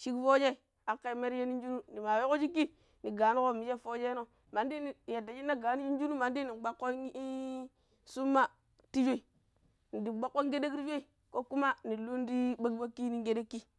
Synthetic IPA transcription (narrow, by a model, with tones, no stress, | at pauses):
ʃi˦kfo˦d͡ʒe˦i˨ | a˨˦kːa˦˨i˨˦me˦ɾje˦ni˦n˦d͡ʒu˦nu˦ni˨ma˨jo˦ko˦d͡ʒi˦kːi˦ | ni˨ɡa˨˦ni˦ko˦˨mi˨˦d͡ʒe˦fo˦d͡ʒe˦no˦ | ma˨ndi˦ni˨ja˨da˨˦i˦nːa˦ɡa˨˦ni˦d͡ʒi˦n˦d͡ʒu˦nu˦ma˨n˦di˦ni˨ɡ͡ba˦kːo˦i˦ | su˦mːa˦ | ti˦d͡ʒo˦i˨ | ni˨di˨ɡ͡ba˦kːo˦ŋ˦ɡe˦de˦kɾi˦d͡ʒe˦i˨ | ko˦ku˦ma˦ni˨lu˦n˦di˦ba˦ɡba˦kːi˦ni˦ŋɡe˦de˦kːi˦